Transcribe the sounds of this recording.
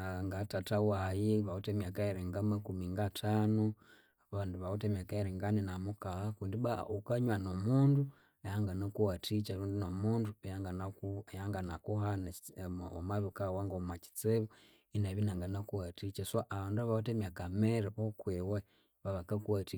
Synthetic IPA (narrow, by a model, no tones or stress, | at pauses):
ŋɡatatawajiβautemjakaiɾiŋɡamakumiŋɡatʰanu | βanduβautemakaiɾiŋɡaninamukahakundiβaukaɲwanomundu | ajaŋɡanakuwatʰit͡ʃaɾundinomundujaŋɡanajaŋɡanakuɦanao̰maβukawaŋɡomat͡ʃi̥t͡seβu | inaβinaŋɡanakuwatit͡ʃasoʔaβaːnduaβautemjakameɾaβokwewe | βaβakakuwati